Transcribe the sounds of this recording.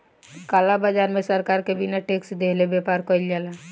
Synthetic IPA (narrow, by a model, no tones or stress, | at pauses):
kalabad͡ʒaɾmẽsəɾkaːɾkebinaʈeksd̪eɦlebepaɾkəild͡ʒala